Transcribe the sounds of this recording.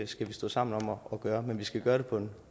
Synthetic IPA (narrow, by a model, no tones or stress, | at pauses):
sɡ̥æʋisd̥o̰ːsɑ̈m̰n̩ɒ̽mɒɒ̽ɡ̥ɶːɐmenʋisɡ̥æɡ̥ɶːɐɾ̥e̝pʰɒ̽d̥n